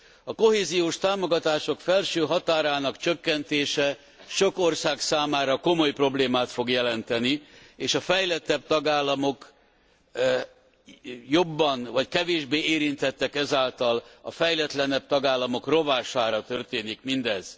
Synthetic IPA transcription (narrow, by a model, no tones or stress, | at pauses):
ɒko̞ɦeːzijoːʃt̪aːmo̞ɡɒt̪aːʃo̞kfɛlʃøːɦɒt̪aːɾaːnɒkt͡ʃøkːɛnt̪eːʃɛ | ʃo̞ko̞rsaːksaːmaːɾɒko̞mo̞jpro̞bleːmaːt̪fo̞ɡjɛlɛnt̪ɛnieːʃɒfɛjlɛt̪ːɛb̚t̪ɒɡaːlːɒmo̞k | jo̞bːɒnvɒckɛveːʒbeːeːɾint̪ɛt̪ːɛkɛzaːlt̪ɒlɒ̰fɛjlɛt̪lɛnɛb̚t̪ɒɡaːlːɒmo̞kro̞vaːʃaːɾɒt̪ørt̪eːnikmind̪ɛz̥